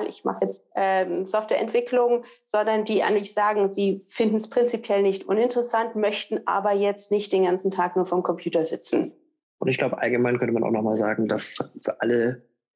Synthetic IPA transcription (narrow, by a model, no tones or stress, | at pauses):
lʔɪ̰çma̰χəjɛt͡stʔɛːzɔftv̥ɛːɐʔɛntv̥ɪklʊŋz̥ɔndɐndiːʔa̰ɪŋlɪçz̥aːɡŋ̩ziːfɪndn̩spʁ̥ɪnt͡sipʰjɛlnɪçtʔʊnɪntəʁəsantmœçtn̩ʔa̰ːbɐjɛt͡stnɪçtd̥eːnɡant͡sn̩tʰaːk̚nuːɐfɔɐmkʰɔmpʰj̥uːtɐzɪt͡sn̩ | ʔʊntɪçɡ̥laʊwbəʔa̰lɡəmaɪnkʰœntəmanaʊxnɔʊχmaːlzaːɡŋ̩dasfyːɐʔalə